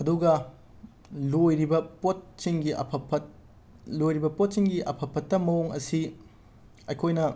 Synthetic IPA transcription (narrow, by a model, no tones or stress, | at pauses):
ɐduɡɐ | lojɾibɐpot̚siŋɡiɐ̰pʰɐpʰɐt̚ | lojɾibɐpot̚siŋɡiʔɐpʰɐpʰːɐtːɐmɐoŋɐ̰si | ɐjkʰojnɐ